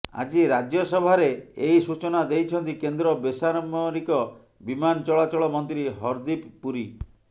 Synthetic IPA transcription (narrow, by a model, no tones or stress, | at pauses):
a̰d͡ʒiɾad͡ʒjɔsɔbʱaɾeeisut͡ʃɔnad̪ejt͡ʃʰɔnt̪ikend̪ɾɔbesaɾɔmɔɾikɔ | bimanɔt͡ʃɔɭat͡ʃɔɭɔmɔnt̪ɾiɦɔɾd̪ipːuɾi